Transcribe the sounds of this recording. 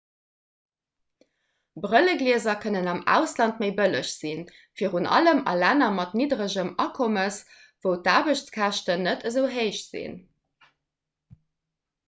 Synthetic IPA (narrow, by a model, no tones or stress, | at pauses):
bʁələɡliəzɐkʰənənɑmæ̰ːʊslɑntməɪbələɕz̥in | fiːʁunʔɑ̰ləmɑ̰lænɐmɑtnidʁəʑəmɑkʰoməs | v̥əʊtaːbəɕt͡skʰæʃtənətʰəzəʊɦəɪʃz̥ḭn